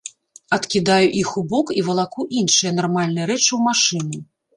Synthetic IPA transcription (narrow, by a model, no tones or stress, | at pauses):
ɐt̪kʲid̪ajuʔixubɔkivɐlˠakuʔinʂɨjɐnarmalʲnɨjɐɾɛt͡ʂɨwmaʂɨnʲi